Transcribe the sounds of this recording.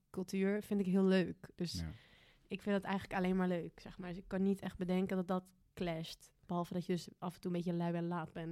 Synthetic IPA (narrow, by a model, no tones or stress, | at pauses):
kɵlˠtyːɹfɪntɪkɦiəlˠløːkd̥øs | ɪkfɪndətɛjxələkaleːnmaːɹløːksɛxmaːɹdsɪkːɔnːitɛxt̚bədɛŋkəndɔt̚dɔt | klɛstb̥əɦɔlˠfədɔtjədøsʔɑfəntuəmbetjəlœɥɛnlaːtbɛn